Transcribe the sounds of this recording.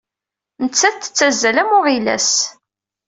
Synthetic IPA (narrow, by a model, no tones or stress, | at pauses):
nət͡sːæθt̪ːə̥t͡sːæzːælæmʊʁilæ̰s